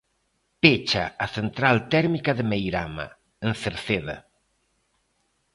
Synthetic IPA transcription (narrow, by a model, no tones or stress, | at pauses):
pet͡ʃa̰aθent̪ɾalt̪ɛɾmikaðemejɾama̰ | enθeɾθeða̰